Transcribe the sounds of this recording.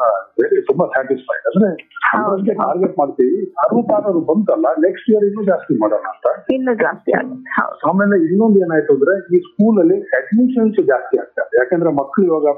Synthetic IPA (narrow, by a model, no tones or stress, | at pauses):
ɐbeːɾet̪umbɐsaːʈispʰɐ̰jɖɐd̪ɾeɐɐskːeʈa̰ːɾɡeʈmaːɖt̪iʋiaːɾuːpaːɾɐɾubɐnt̪ɐlːɐneksʈijɐɾinːuːd͡ʒaːst̪imaːɽanɐːnt̪ɐinːud͡ʒaːst̪ia̰ːɡhɐ̰wd̪aːmeːleinːond̪e̞ːnaːjt̪und̪ɾe̞iːskuːlɐlːiseʈniʂɐnsud͡ʒaːst̪iaːɡ̚t̪ːeɐɐjaːkeːnd̪ɾemɐkːɐɭiʋaːɡɐ